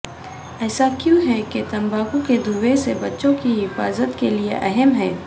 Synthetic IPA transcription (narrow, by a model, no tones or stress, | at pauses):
ɛːsakjũɦɛket̪ɐ̃mbaːkuked̪uːwesebɐtːʃõkiɦɪfa̰ːzət̪keliḛʔɐɦɛmɦɛː